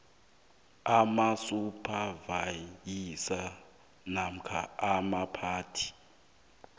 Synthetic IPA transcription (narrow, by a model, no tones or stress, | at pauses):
amasupʰavajisa | nam̩kʰa̰amapʰaːtʰi̥